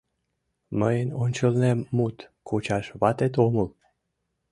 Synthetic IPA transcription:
məjnonʲt͡ʃɨlnemːut̪kʰut͡ʃaʃvat̪et̪omul

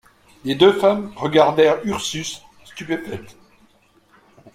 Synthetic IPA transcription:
led̪øfamʁəɡaʁd̪ɛʁyʁsysː | t̪ypefɛt̪

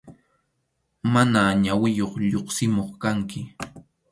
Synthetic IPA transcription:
manaɲawɪjoχʎoχsɪmoχkaŋkɪ

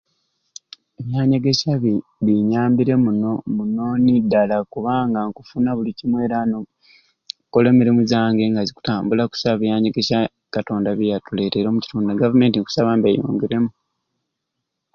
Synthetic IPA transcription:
e̞βjaːɲeɡe̞ʃaββiɲaːmbiɾe̞munomunonidalakuβaːŋɡaŋkufunaβulicimwe̞ːɾano | kole̞miɾimuzaːŋɡe̞ŋɡaziku̥taːmbulaku̥saβjaːɲeɡe̞ʃa | kato̞ːndaβijatule̞ːteɾo̞muci̥tuːndaɡavume̞ːntiŋku̥saβaːmbejṵːŋɡiɾe̞mu

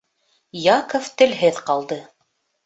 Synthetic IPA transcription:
jɑkoft̪ɘ̆lɦɘðqɑlˠd̪ɤ

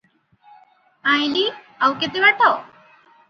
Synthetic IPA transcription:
ãjli | əwket̪iʋaʈɔ

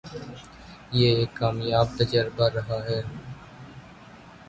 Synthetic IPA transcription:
jeːeːkːaːmjaːb̚t̪əd͡ʒəɾbaɾɐɦaɦɛː

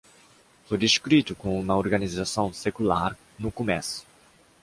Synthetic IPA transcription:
fojd̪iskɾit̪ʊkõũmɐoɾɡɐnizasɐ̃w̃sekulaɾ | nʊkomɛsʊ̥

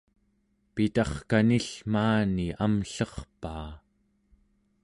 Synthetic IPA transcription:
pit̪ɑχkaniɬmaːniʔamɬʌχpaː

